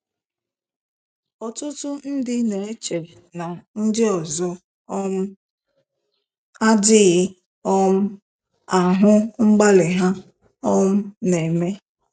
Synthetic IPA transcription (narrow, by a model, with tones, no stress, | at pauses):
ɔ˨tʊ˦tʊ˦n̩˦dɪ˦ne˨e˦t͡ʃe˨ | na˨n̩˦dɪ˦ɔ˨zɔ˦ | m̩˦ | a˦dɪ˦ɣɪ˦ | ɔ˦m̩˦ | a˨ɦʊ˦ŋ͡m̩˦ɡ͡ba˦lɪ˨ɦa˦ | ɔ˦m̩˦ne˨me˦